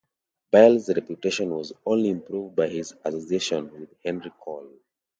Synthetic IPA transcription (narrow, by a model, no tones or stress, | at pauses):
baɪlˠzɹɛpjuteʃɔ̃nwɔzõnliɪ̃mpʰɹuvd̚baɪɪzəsosieʃɔ̃nwɪðhɛ̃nɹikʰɔlˠ